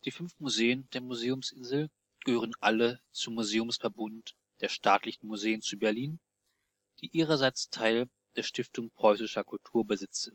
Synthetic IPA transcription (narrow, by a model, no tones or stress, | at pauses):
d̥iːfʏnfmuzeːənd̥eːɐmuzeːʊmsʔɪnzl̩ | ɡ̥əhøːʁ̞ənʔalət͡sʊmːuzeːʊmsfɛɐbʊnt | d̥eːɐʃtʰaːtlɪçn̩muzeːənt͡subɛɐliːn | d̥iːʔiːʁɐzaɪt͡stʰaɪl | d̥eːɐʃtɪftʊŋpʁ̥ɔʏsɪʃɐkʰʊltʰuːɐbəzɪt͡sɪn